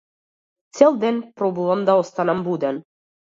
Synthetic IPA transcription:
t͡sʲelʲd̪enʲprobulˠɤ̆md̪ɑost̪ɑnɑmbud̪ɘ̆n

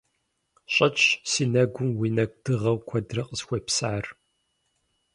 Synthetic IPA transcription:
ɕʼɐt͡ʃsiːnɐɡʷʊmwiːnɐɡʷd̥ɨʁɐwkʷʰɐdrɐqəzxʷɔpsaːr

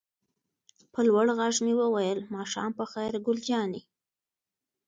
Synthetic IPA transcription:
pəlwaɽɣaʒmiwəwajəlmɑʃɑ̰mpəxajɾɡʊld͡ʒɑni

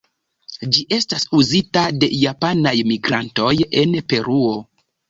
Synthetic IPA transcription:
d͡ʒiʔe̞stasuzitade̞̰japanajmiɡɾanto̞je̞npe̞ɾuo̞

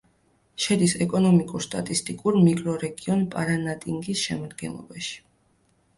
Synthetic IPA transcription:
ʃɛd̪isɛkʼɔnɔmikʼuɾst̪ʼa̰t̪ʼist̪ʼikʼuɾmikʼɾɔɾɛɡiɔnpʼaɾanat̪ʼiŋɡisʃɛ̰mad̪̚ɡɛ̰nlˠɔ̰baʃi̥

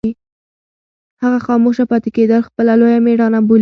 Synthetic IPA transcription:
i | haɣaxɑmoʃapɑt̪eked̪əlxpəlalojameɽɑnabol

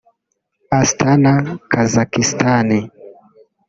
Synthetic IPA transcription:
astanakazakistani

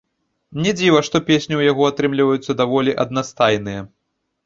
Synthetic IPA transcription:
nʲɛd͡zʲivɐʂt̪ɔpʲesʲnʲiwjaɣɔat̪ɾɨmlʲivɐjut̪sːɐd̪avɔlʲiʔɐd̪̚nast̪ajnɨjɛ

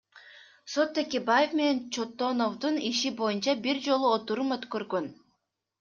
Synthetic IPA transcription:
so̞t̪ːekʲebaje̞fme̞ne̞nt͡ʃot̪ːono̞vd̪uniʃibo̞junt͡ʃɑbiɾd͡ʒo̞lˠuot̪uɾumøt̪køɾɡøn

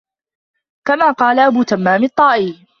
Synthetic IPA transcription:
kamaːqɑːlaʔabuːt̪amːaːmɪt̪ˤːɑːʔiː

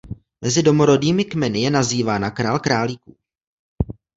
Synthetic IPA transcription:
mɛzɪdo̞moɾo̞diːmɪkmɛnɪjɛnaziːvaːnakɾaːlkɾaːliːkṵː

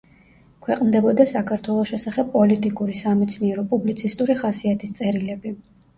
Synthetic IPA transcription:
kʰwɛqʼmd̪ɛbɔd̪asakʰaɾt̪ʰwɛlˠɔsʃɛsaχɛbpʼɔlit̪ʼikʼuɾisamɛt̪sʰniɛɾɔpʼublit̪sʰist̪ʼuɾiχasiat̪ʰist̪sʼɛɾilɛbi

